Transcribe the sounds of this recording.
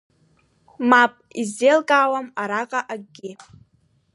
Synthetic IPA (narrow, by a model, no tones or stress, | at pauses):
mapʼizːelkʼaːwamaɾaqʼaʔaɡɡʲɪ